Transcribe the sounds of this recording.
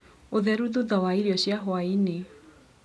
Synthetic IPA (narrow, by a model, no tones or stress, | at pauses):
oðɛɾuðuðɔwaiɾiɔɕjaɦwaine